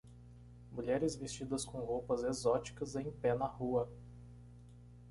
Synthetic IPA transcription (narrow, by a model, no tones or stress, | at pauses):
muʎɛɾɪzvest͡ʃid̪ɐskõɦowpɐzezɔt͡ʃi̥kɐzẽj̃pɛnɐhuɐ